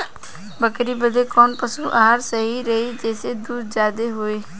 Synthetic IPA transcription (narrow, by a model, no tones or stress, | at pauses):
bəkɾibəd̪ekɔːnpəsuʔaɦaɾsəɦiɾɐɦid͡ʒɛːsed̪uːd̪d͡ʒjaːd̪eɦoeː